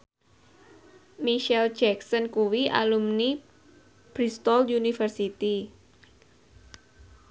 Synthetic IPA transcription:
miʃɛld͡ʒɛksənkuwiʔa̰lumni | b̥ɾist̪ɔljunifərsit̪i

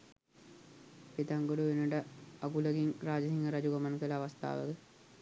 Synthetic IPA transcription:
pit̪aŋɡoɖuʋenəʈəaɡuləɡiŋɾaːd͡ʒɐɦiŋɡəɾad͡ʒuɡamankələːʋast̪a̰ːʋə̰kə

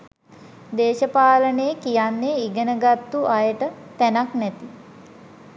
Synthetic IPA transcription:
d̪eːʃəpaːlənəjəkijanːeiɡənəɡat̪ːuʔajəʈət̪ænaknɛt̪i

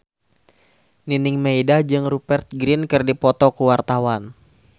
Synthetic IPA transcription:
ninɪŋmejdad͡ʒɨŋrupɛrt̪̚ɡɾɪnkɨrdipɔt̪ɔkuwart̪awan

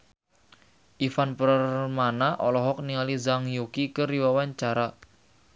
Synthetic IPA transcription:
ʔifanpərrmanaʔɔlɔɦɔk̚niŋalizaŋjokikəɾiwawaɲt͡ʃaɾa

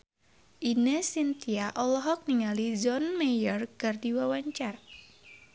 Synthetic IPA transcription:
ʔinəsint̪iaʔɔlɔɦɔk̚niŋalid͡ʒɔnmɛjɔrkardiwawaɲt͡ʃar

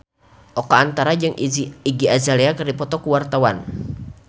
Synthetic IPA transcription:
ʔɔkaːnt̪aɾad͡ʒɨŋiɡiazaleakərdipɔt̪ɔkuwart̪awan

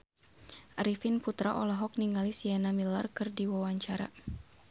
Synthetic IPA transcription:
ʔaɾifinput̪ɾaʔɔlaɦɔk̚niŋalisianamilarkɨrdiwawaɲt͡ʃaɾa̰

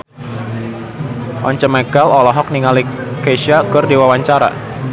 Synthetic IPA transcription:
ʔɔɲt͡ʃəmɛkalɔlɔɦɔk̚niŋalikeʃakɨrdiwawaɲt͡ʃaɾa̰

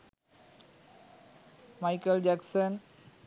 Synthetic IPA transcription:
majkəld͡ʒaksən

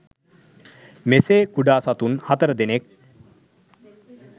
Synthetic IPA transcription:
meseːkuɖaːsat̪unhat̪əɾəd̪enek̚

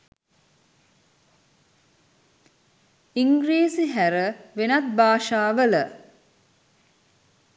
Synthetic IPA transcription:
iŋɡɾeːsiɦæɾəʋenat̪̚baːʃaːʋələ

